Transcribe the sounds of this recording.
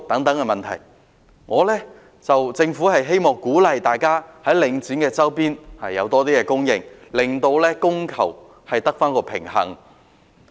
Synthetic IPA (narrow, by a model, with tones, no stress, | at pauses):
t̪ɐ˨˥ŋt̪ɐ˨˥ŋkɛ˧mɐ˨nt̪ʰɐ˨˩j | ŋɔː˨˧lɛː˥ | t͡sɐ˨wt͡sɪ˧ŋfuː˨˥hɐ˨jɦe˥jmɔː˨˩ŋkuː˨˥lɐ˨˧jt̪aː˨jkaː˥hɐ˨˥jlɪ˨˧ŋt͡syː˨˥nkɛː˧t͡sɐ˥wpiː˥nhɐ˨jːɐ˨˧wt̪ɔː˥t̪iː˥kɛː˧kʊ˥ŋjɪ̰˨ŋlɪ˨˩ŋt̪o˧wlɛː˥kʊ˥ŋkʰɐ˨˩w | hɐ˨jt̪ɐ˥k̚faː˥nkɔː˧pʰɪ̰˨˩ŋhɐ̰˨˩ŋ